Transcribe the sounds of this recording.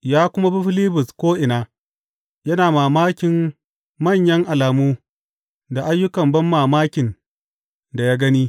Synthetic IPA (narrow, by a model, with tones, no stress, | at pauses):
jaː˦kʷʊ˦ma˦bi˦ɸɪ˦liː˦bʊ˨skʷoː˦ʔɪ˨naː˦ | jɐ˦naː˨maː˨maː˦kʲɪ˨mː | ɐ˦˨ɲjɐ˦ŋʔa˨laː˨muː˦ | da˨ʔa˦jːʊ˦kɐ˨mbɐ˦mːaː˨maː˦kʲɪ˨n | da˨jaː˦ɡɐ˦niː˦